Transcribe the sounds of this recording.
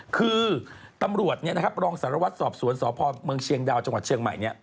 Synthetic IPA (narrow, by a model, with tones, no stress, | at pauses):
kʰɯː˧t̪a˧mɾu˨˩ət̪̚ni˦˥ɐna˥ɾa˦˥p̚ɾɔː˧ŋsaː˩˦ɾa˧wa˦˥t̪̚sɔː˨˩p̚su˨˩˦ənsɔː˩˦pʰɔː˧mɯ˧ŋt͡ɕʰi˧əŋdaː˧w̚t͡ɕa˧ŋwa˨˩t͡ɕʰi˧əŋma̰˨˩jni˦˥ɐʔ